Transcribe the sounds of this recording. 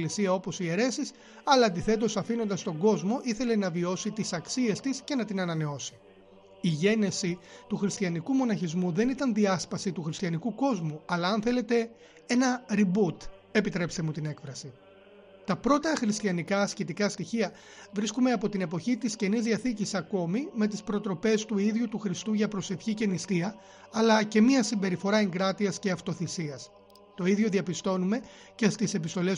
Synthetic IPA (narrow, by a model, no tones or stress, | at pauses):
lisiɐo̞po̞sie̞ɾe̞sis | ɐlɐːnd̪iθe̞t̪o̞sɐfino̞nd̪ɐst̪o̞ɡo̞zmo̞ʔiθe̞le̞nɐvio̞sit̪isɐksie̞st̪isce̞nɐt̪inɐnɐne̞o̞si̥ | iʝe̞ne̞sit̪uxɾist̪çɐnikumo̞nɐçizmuðe̞nit̪ɐnðiɐspɐsit̪uxɾist̪ʰçɐnikuko̞zmuɐlɐɐnθe̞le̞t̪e̞ | e̞nɐɾibut̪ | e̞pit̪ɾe̞pst̪e̞mut̪ine̞kfɾɐsi | t̪ɐpɾo̞t̪ɐxɾist̪çɐnikɐːscit̪ikɐst̪içiɐ | vɾiskume̞ɐpo̞t̪ine̞po̞çit̪isce̞nizðiɐθicisɐko̞mime̞t̪̬ispɾo̞t̪ɾo̞pe̞st̪uiðʝut̪uxɾist̪uʝɐpɾo̞se̞fçice̞nist̪iɐ | ɐlɐce̞miɐsimbe̞ɾifo̞ɾɐeŋɡɾɐt̪iɐsce̞ɐft̪o̞θisiɐs | t̪o̞iðʝo̞ðiɐpist̪o̞nume̞ | ce̞st̪ise̞pist̪o̞le̞s